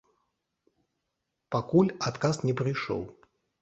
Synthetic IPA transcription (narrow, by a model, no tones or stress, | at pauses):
pakulʲat̪kasnʲɛpɾɨjʂɔ̰lˠ